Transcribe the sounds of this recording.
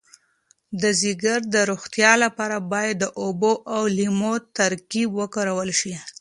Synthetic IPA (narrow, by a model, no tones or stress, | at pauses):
d̪əzɪɡaɾd̪əɾuxt̪jɑlapɑɾabɑjad̪ːəʔoboʔawlimot̪aɾkibwəkaɾawəlʃi